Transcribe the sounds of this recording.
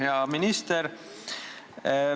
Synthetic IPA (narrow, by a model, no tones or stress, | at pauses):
jɑːminist̪əɾ